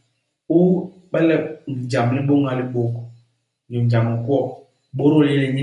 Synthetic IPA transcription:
u˦ | ɓɛ˦lɛ˦˨n̩˨d͡ʒa˨mli˦ɓo˦ŋa˦li˦ɓo˦k | ni˨ɲ˨d͡ʒa˨m˨ŋ̩˨ku˦ɔ˦˨ | ɓo˦ɾo˦˨lɛ˦li˨ɲi˦

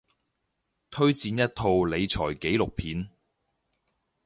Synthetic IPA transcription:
t̪ʰɵ˥ɥt͡siː˨˧njɐ˥t̚t̪ʰo˧wle˨˧jt͡sʰɔː˨˩jke˨˥jlʊ˨k̚pʰiː˨˧n

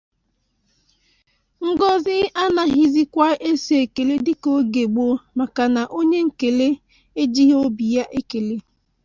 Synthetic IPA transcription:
ŋ̩˦ɡɔ˦zɪ˦a˦na˨ɦi˨zi˦kʷa˦ʔe˦si˨˦e˨ke˨le˦dɪ˦ko˦ɡe˨ɡ͡bo˦ma˨ka˨na˨ʔo˦ɲe˦ŋ̩˨ke˨le˦ | e˦d͡ʒi˦ɦo˦bi˨ja˦ʔe˦ke˨le˦

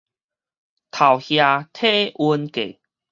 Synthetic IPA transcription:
t̪ʰa˨˩whja˧t̪ʰe˥˦u˧nkḛ˨

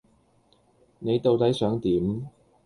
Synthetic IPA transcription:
ne˨˧jt̪o˨wt̪ɐ˨˥jsœː˨˥ŋt̪iː˨˥m

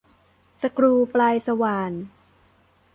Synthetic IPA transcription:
sa˧kɾuː˧plaː˧jsa˧waː˧n

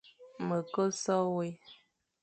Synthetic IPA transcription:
mə˨kə˦sɔ˦we˦

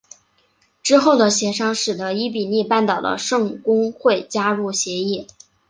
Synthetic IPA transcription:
ʈ͡ʂɻ̩˥xo˥˩ʊd̪ə˩ɕjɛ˧˥ʂɑ˥ŋʂɻ̩˨˩d̪ə˧˦i˥p̬i˨˩ni˥˧pa˥˩nt̪ɑ˨˩ʊd̪ə̰˦ʂɤ˥˩ŋkʊ˥ŋxwe˥˩ɪt͡ɕja˥ɻu˥˩ɕjɛ˧˥i˥˩

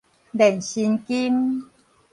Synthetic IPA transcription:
dɛ˨˩nɕi˧nki˦m

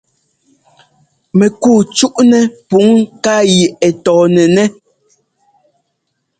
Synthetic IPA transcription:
mɛ˨kuː˦˨t͡ʃu˦ʔnɛ˦pu˨˦ŋ˦ka˦ji˨ɛ˨tɔː˨nɛ˨nɛ˦

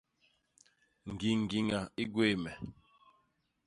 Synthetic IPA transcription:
ŋ̩˨ɡi˨ŋ̩˨ɡi˨ŋa˨i˦ɡwe˦˨mɛ˨

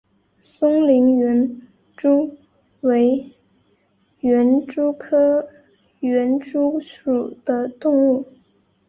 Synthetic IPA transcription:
sʊ˥ŋli˧˥ŋɥɛ˧˥n | ʈ͡ʂu˥ | we˧˥ɪ | ɥɛ˧˥nʈ͡ʂu˥kʰɤ˥ | ɥɛ˧˥nʈ͡ʂu˥ʂu˨˩d̪̥ə˦t̪ʊ˥˧ŋu˥˩

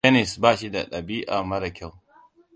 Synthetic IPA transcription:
ɛ˦nɪ˨sbaː˦˨ʃi˦da˨ɗɐ˨biː˦ʔaː˨mɐ˦ɾɐ˨kʲa˦˨w

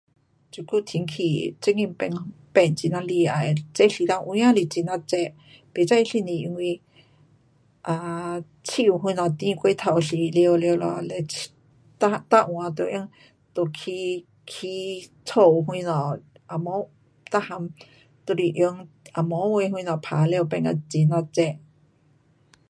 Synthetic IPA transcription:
t͡ʃu˧ku˦˨t̪ʰi˧ŋkʰi˧˨t͡se˦ŋĩ˧m˦pe˧˨ŋpe˧˨nt͡ʃi˧˨nã˧li˧a˨e˨t͡se˦ɬi˧d̪ã˧ŋʔwĩ˦ã˦li˧˨t͡si˧˨nã˧t͡sɛ˧ | pe˨t͡sa˦i˧ɬi˧˨nĩ˨ʔŋʷĩ˧ | ʔa˧ | t͡sʰi˦˧u˧ɦwʷĩ˦˧nɔ̃˨t̪ĩ˦˧kʷi˦t̪ʰa˧˨wɬi˧˨ljo˧ljo˧lɔ̰˧le˧ | t̪a˦t̪a˦ʔw̃ã˨t̪o˧˨ʔjə˧ŋ | t̪o˧˨kʰi˧ | kʰi˧ | t͡sʰo˧˨wɦwĩ˧nɔ̃˨ʔ | a˨mõ˨˦ | t̪a˦ha˧m | t̪o˧li˧ʔjo˧ŋ | a˨mõ˨˦wĩ˧hwĩ˧nɔ̃˨pʰa˨le˧pe˧ŋa̰˧t͡si˧˨nã˧t͡sɛ˧˨ʔ

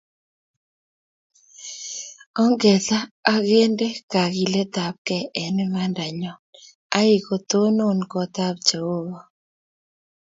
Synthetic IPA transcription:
ɔ˦ŋɡɛ˨taː˦ɣe˦nde˦ka˨ɣi˨lɛ˦t̪a˨p̚kɛ˨ʔɛ˨nɛ˦ma˦nda˨ɲɔ˨n | a˦i˦˨ko˨t̪o˦no˦nkɔ˨t̪a˦b̚t͡ʃo˨o˦ɣɔ˨

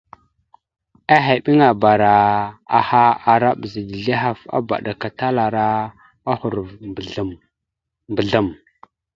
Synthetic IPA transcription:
a˦ɦe˨ɓi˦ŋa˨ba˨ɾa˨a̰˨ha˦a˨ɾa˦ɓzi˨di˨ɮi˦ɦa˦fa̰˦ba̰˨ɗa˨ka˨ta˦la˨ɾa˦ | a˦hu˨ɾ | mə˨ɮa˨m

